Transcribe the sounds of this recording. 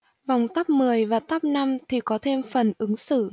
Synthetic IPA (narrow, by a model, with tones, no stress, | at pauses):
va˨˩wŋ͡mt̪a˦˥p̚mɨ˨˩əjvaː˨˩t̪a˦˥p̚na˧mt̪ʰi˨˩kɔ˨˦t̪ʰe˧mfə˨˩nʔɨ˨˦ŋsɨ̰˧˨